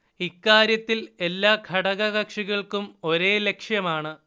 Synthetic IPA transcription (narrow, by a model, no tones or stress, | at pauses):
ikːaːɾjɐt̪ːile̞lːaːkʰɐɽɐɣɐɣɐkʂiɣɐɭkumo̞ɾe̞ːle̞kʂjɐmaːɳɨ